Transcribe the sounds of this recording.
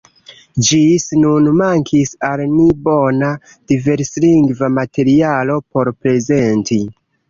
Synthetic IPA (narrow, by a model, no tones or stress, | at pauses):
d͡ʒisnunmaŋkʰisalnibo̞na | d̥ive̞ɾsliŋɡvamate̞ɾialo̞po̞ɾpɾe̞ze̞nti